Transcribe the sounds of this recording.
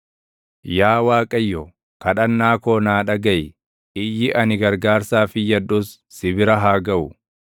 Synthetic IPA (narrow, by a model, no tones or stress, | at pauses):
jaːwaːkʼɐjːɔ | kɐᶑɐnːaːkoːnaːᶑɐɡɐʔɪ | ʔɪjːɪʔɐnɪɡɐɾɡaːɾsaːfɪjɐdʊsːɪbɪɾɐɦaːɡɐʔʊ